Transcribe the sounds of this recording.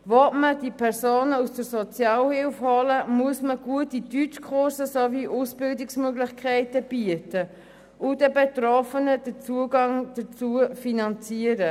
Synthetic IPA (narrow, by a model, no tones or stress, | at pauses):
vɔtməd̥ipʰɛɾsoːnəusd̥əɾsot͡sjɑːlhɪlfhɔləmuəsməɡ̥uətːidyt͡ʃkʰχʊɾsəsoviʔusb̥ɪldɪksmøɡlɪçkʰχæɪtəb̥yətə | ʔʊdɛbetɾɔfənəd̥ət͡suəɡɑŋd̥ət͡suəfinɑnt͡siəɾə